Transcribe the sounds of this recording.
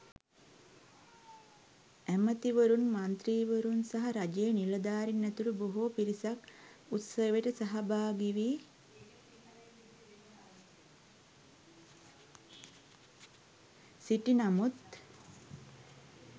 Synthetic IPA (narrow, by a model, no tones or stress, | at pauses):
æmət̪iʋəɾunmant̪ɾiːʋəɾunsaɦaɾad͡ʒejniləd̪aːɾinːæt̪uʈuboɦopiɾisak | ut̪səʋeʈəsaɦabaːɡiʋiː | siʈinamut̪